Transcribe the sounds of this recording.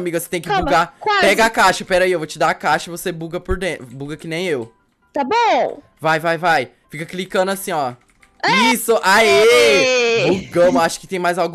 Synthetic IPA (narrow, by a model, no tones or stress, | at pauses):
miɡɐset̪ẽj̃kɪbuɡakapɛɡɐakaʃɐpɛɾɐiewvot͡ʃɪd̪akaʃɐivosebuɡɐpʊɾd̪ẽbuɡɐkɪnẽj̃ew | t̪abõ | vajvajvaj | fikɐklikɐ̃nd̪ʊasĩɔ | isʊʔae | buɡɐ̃mʊaʃʊ̥kɪt̪ẽj̃majzawɡ